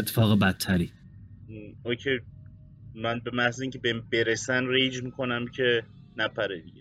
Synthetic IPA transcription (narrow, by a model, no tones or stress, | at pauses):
et̪ʰːe̥fɒːɣebæt̪ʰːæɾi | ocʰej | mænbe̞mæhziːŋcʰebembeɾesænrejd͡ʒmiːkʰo̞næmcʰe̞ | næpæɾed̪iɟe